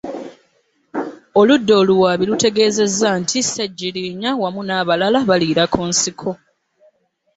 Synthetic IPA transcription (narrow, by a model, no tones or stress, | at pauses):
oludːo̞ːluwaːβilute̞ɡe̞ːze̞zːantʰiseɟːiliːɲawamunaːβalalaβaliːɾakuːnsikʰo̞